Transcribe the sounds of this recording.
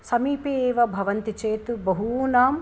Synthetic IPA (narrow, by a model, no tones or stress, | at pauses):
sɐmiːpeːʋɐbʱɐʋɐnt̪it͡ʃeːt̪ubɐɦunaːm